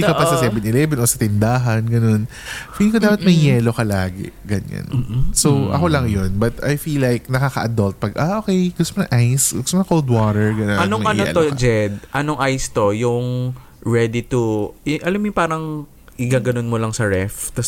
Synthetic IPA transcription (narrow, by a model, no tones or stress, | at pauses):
ʔɪkaʔpɐsɐsɛbɛnɪlɛvɛnʔosɐt̪ɪnd̪aːɦɐnɡɐno̞n | filikod̪aːpɐt̪̚mɐjjɛːlo̞kɐlaːɡɛ̰ɡɐnɐ̰nːsoʔɐ̰kolɐŋjonbɐt̪ajfilːajknɐkakɐʔɐd̪olt̪̚pɐɡʔaʔokɛjɡʊst̪omnɐŋʔajsɡʊst̪omonɐkowld̪wat̪ɛɹɡɐnoɐnomɐʔɐnoɛ̰t̪od͡ʒɛd̪̚ʔɐnoŋʔajst̪o̞jʊŋ | ɹɛd̪it̪uʊʔɐlɐmɪŋpaːɾɐŋ | ʔɪɡaɡɐnonmolɐŋsɐɹɛft̪ɐs